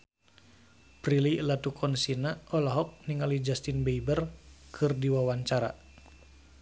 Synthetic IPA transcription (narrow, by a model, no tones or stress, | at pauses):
prililat̪ukʰɔnsinaɔlɔɦɔk̚niŋalid͡ʒast̪inbeibərkʰɨrdiwawaɲt͡ʃaɾa̰